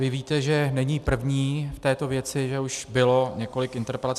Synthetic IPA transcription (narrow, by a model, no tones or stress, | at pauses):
vɪviːt̪ɛʒɛnɛɲiːpr̩vɲiːft̪ɛːt̪o̞vjɛt͡sɪʒɛuʃbɪlo̞ɲɛko̞lɪkɪnt̪ɛɾpɛlat͡s